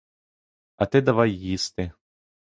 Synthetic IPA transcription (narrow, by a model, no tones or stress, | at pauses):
ɐt̪ɛd̪ɐʋajːist̪ɪ